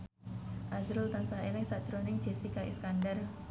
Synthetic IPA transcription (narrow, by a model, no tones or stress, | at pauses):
ʔazɾʊlt̪ansaɦelɪŋsaʔd̥ʒ̥ɾonɪŋd͡ʒ̥e̤sikaʔḭskandər